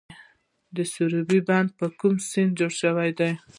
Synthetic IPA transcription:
d̪əsuɾubiband̪̚pəkumsind̪̚d͡ʒoɽʃəwajd̪aj

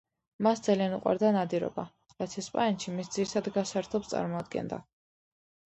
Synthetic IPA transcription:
masd̪z̥alijanuqʼwa̰ɾd̪anad̪iɾɔ̰ba | ɾat̪sʰɛspʼaɛnʃimisd̪ziɾisʰad̪ɡasaɾt̪ʰɔpst̪sʼa̰ɾmɔad̪̚ɡɛ̰nd̪a̰

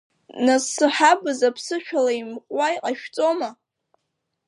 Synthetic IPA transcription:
nasɨħabɨzapʰsɨʃᶣalaimqʷʼwajqʼaʃᶣt͡sʼo̞ma

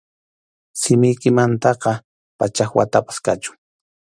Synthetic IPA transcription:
sɪmɪjkɪmant̪ɑqɑ | pat͡ʃaxwat̪apḁskat͡ʃʊ̥ŋ

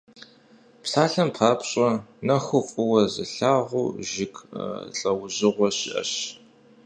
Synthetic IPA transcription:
psaːɬɐmpʰaːpɕʼɐnɐxʷʊqʷʼʊwɐzɨ̰ɬaːʁʷṵːʒɪkɬʼɐwʊʑɪʁʷɔɕɪ̰ʔɐ̰ɕ

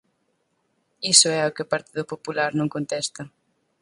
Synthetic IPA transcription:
isʊɛokɪʊpaɾt̪iðʊpopulaɾnõŋkõnt̪ɛst̪ɐ

